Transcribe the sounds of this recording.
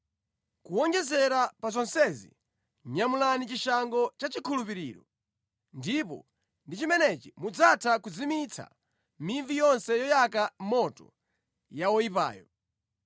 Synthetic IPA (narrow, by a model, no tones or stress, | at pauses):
kuwɔŋɡɛzɛɾapazɔnsɛzḭ | ɲamulanit͡ʃiʃaŋɡɔt͡ʃat͡ʃikʰulupiɾiːɾɔ | ndipɔ̰ | ndit͡ʃimɛnɛt͡ʃimud͡zatʰakud͡zimit͡sʰa̰ | miɱvijɔnsɛjɔjak̬amɔtɔ̰ | jawɔipa̰ːjɔ